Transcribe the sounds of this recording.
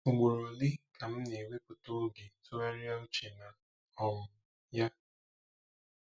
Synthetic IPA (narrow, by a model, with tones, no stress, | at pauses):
o˨ɡ͡bo˨ɾo˨li˦ka˨m̩˦ne˨we˦k͡pu˨to˦ɡe˨tʊ˦a˦ɾja˦u˦t͡ʃe˨na˨ | ɔ˦mʊ˦ | ja˦